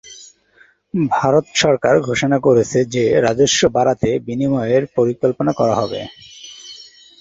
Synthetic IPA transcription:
bʱaɾot̪ʃɔɾkaɾɡʱoʃonakoɾet͡ɕʰed͡ʑeɾad͡ʑoʃːobaɾat̪ebinimɔeeɾpoɾikolponakɔɾaɦɔbḛ

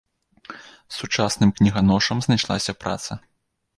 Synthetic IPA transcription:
sut͡ʂasnɨmknʲiɣanɔʂɐmznajʂlˠa̰sʲɐpɾa̰t̪sɐ

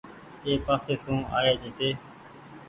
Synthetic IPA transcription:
eːpaːseːsũːa̰ːjeːd͡ʒiːt̪eː

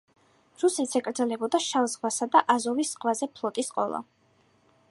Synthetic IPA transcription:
ɾusit̪sɛkʼɾd̪zɛlɛbɔd̪aʃalˠzʁwasad̪aʔazɔvisːqʼwazɛpʰlˠɔt̪ʼisqʼɔ̰lˠa̰

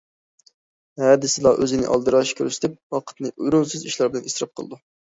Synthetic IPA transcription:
hɛd̪ɪsɪlˠɑʔøzɪnɪ̰ʔɑ̰lˠd̪ɨɾɑʃkʲʰøɾyst̪ɪp̚wɑqʰə̥t̪nɨyɾunsyziʃlˠɑɾbɪlɪnisɾɑp̚qʰə̰lˠɨd̪u

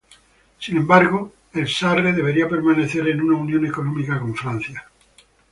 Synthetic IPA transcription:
sinembaɾɣo | elsareðe̞βe̞ɾiape̞ɾmãne̞θe̞ɾe̞nunaunjone̞ko̞nõmikakõ̞ɱfɾan̟θja

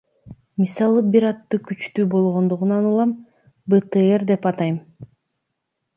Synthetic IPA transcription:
misɑlˠɯbiɾɑt̪ːɯkyt͡ʃt̪yːbo̞lˠʁo̞nd̪uʁunɑnulˠɑm | bət̪eeɾd̪e̞pɑt̪ɑjm

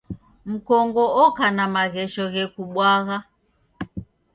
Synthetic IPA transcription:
m̩kɔŋɡɔɔkanamaɣɛʃɔɣɛkuɓwaɣa

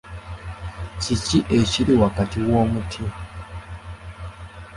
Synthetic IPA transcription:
ciciʔeciɾiwakatiwo̞ːmutʰi

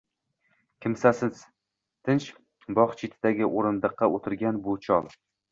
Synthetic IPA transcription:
kʲʰɪmsasɪz̥ | t̪ʰɪnt͡ʃ | bɒχt͡ʃʰɪt̪ʰɪd̪aɡʲɪʔoɾɪnd̪ɨqʰːɑʔot̪ʰɪɾɡʲanbʊt͡ʃʰɒlˠ

